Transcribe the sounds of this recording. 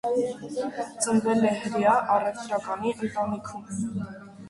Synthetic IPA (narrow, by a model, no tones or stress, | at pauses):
t͡sʰənvɛlɛhəɾjɑʔɑrɛft̪ɾɑkɑniʔənt̪ɑnikʰum